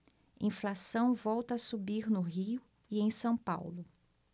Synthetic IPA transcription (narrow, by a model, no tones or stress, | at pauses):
ĩflasɐ̃w̃vɔwt̪ɐːsubiɾnʊɦiʊ | iẽj̃sɐ̃w̃pa̰wlʊ